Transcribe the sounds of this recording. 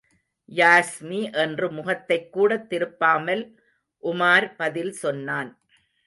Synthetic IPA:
jaːsmiʔɛndrɯmʊɣɐt̪ːɐɪkːuːɽɐt̪ːɪɾɯpːaːmɐl | ʔʊmaːɾpɐðɪlsɔnːaːn

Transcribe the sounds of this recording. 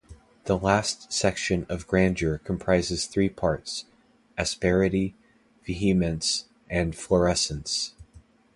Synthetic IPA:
ðəlæstsɛkʃɨ̃nʌvɡɹæ̃nd͡ʒə˞kʰm̩pʰɹ̥aɪzɨz̥θɹipʰɑɹts | ɨspɛɹɨɾi | vɨɦimɨ̃nts | ʔɨ̃nflə˞ɛsɨ̃n̩ts

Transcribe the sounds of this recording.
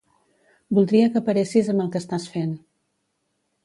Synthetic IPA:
bulˠd̪ɾiəkəpəɾesizəmbəlˠkəːst̪asfen

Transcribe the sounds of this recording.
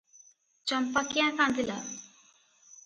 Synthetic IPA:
t͡ɕəmpəkjãsãnd̪ila

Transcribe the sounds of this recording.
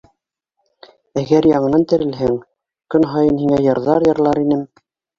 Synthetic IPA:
æɡæɾjɑɴɤ̆nɑnt̪ɘ̆ɾɘ̆lɦɘŋ | kɵnɦɑjɤnhiŋæjɤ̆ɾðɑɾjɤ̆ɾlˠɑɾinɘm

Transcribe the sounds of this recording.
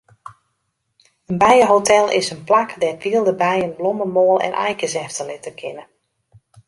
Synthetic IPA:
ənbɛjəɦotʰɛlˠɪ̰sənplakdɛtʋiəlˠdəbɛjənbloməmoːlˠɛ̰nʔɛ̰jkəzɛftəlɪtəkʰɪnə

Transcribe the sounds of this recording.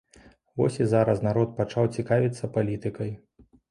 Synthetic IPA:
vɔ̰sʲizaɾɐsnaɾɔt̪̚pat͡ʂawt͡sʲikavʲit̪sːɐpalʲit̪ɨkɐj

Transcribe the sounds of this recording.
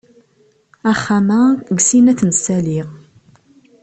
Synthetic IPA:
æχːamæɡsinæθnəsæliʁ

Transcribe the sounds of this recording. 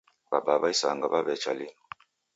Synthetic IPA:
babaβaisa̰ŋɡaβaβɛt͡ʃalinɔ

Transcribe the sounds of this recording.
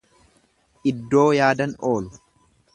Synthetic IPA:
ʔɪd̪ːoːjaːd̪ɐnoːlʊ

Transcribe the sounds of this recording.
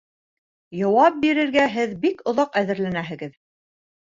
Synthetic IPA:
jɑwɑp̚biɾɘ̆ɾɡæɦɘðbikŏðɑqæðɘ̆ɾlænæɦɘ̆ɡɘð

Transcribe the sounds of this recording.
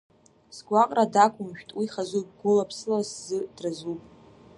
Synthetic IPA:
sɡʷaqʼradakʷʰʼʊmʃᶣtʼwiχazup̚ʼɡʊlapʰsɨlaszɨd̥razupʼ

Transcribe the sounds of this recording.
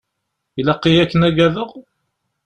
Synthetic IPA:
ilɑqːijækːənæɡæðəʁ

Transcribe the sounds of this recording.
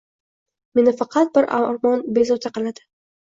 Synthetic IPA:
me̞nɪfɑqʰɑt̪̚bɪɾʔa̰ɾmɒnbe̞zɒt̪ʰaqɨlˠad̪ɪ̥

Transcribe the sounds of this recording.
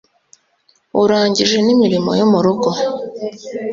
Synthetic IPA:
uɾaːɲɟiʒenimiɾimo̰jomuɾuɡo

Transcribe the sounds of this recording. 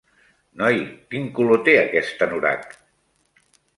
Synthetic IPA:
nɔjkiŋkulot̪eəkɛst̪ənuɾa̰t̪

